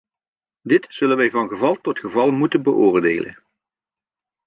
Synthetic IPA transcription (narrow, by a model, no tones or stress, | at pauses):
dɪtsɵlənʋɛjvɑnɣəvɑlˠtɔtχəvɑlˠmutənbəʔʊːɹdeːlə̰n